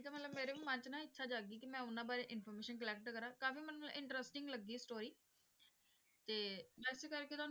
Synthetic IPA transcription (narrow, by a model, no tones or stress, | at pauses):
t̪aːmət̪ləbmeːɾeːũːmə̃ɲt͡ʃnãːɪtːʃʰaːd͡ʒaːɡiːkɪmɛ̃ːʊnãːbaːɾeːʔɪnpʰoːɾmeːʃənkəlɛːk̚ʈkəɾaːkaːfiːmɛnːũʔɪ̃ɳʈɾəsʈɪŋɡləɡːiːsʈoːɾiː | t̪eːbɛːsekəɾket̪ʊaːn